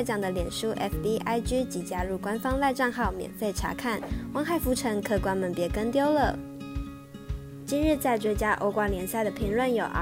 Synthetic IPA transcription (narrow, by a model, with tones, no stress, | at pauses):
ɪʈ͡ʂɑ˨˩ŋd̪ə˦ljɛ˨˩nʂu˥ʔɛ̰˥fbi˥ʔa˥ɪt͡ɕy˥t͡ɕi˨˩t͡ɕja˥ɻu˥˩kwa˥nfɑ˥ŋla˥˧ɪʈ͡ʂɑ˥˧ŋxɑ˥˩ʊmjɛ̰˨˩nfe˥˩ɪʈ͡ʂʰa̰˧˥kʰa˥˩nwɑ˥ŋxa˥˩ɪfu˧˥ʈ͡ʂʰɤ˧˥ŋkʰɤ˥˧kwa˥nmə˨npjɛ˧˥kə˥nt̪jo˥ʊlə˥˩ | t͡ɕi˥˧nɻɻ̩˥˧t͡sa˥˩ɪʈ͡ʂwe˥t͡ɕja˥ʔo̰˧˥ʊkwa˥˩ŋljɛ˧˥nsja˥˩ɪd̪ə˩pʰi˧˥ŋlwə˥˩njo˨˩ʊʔ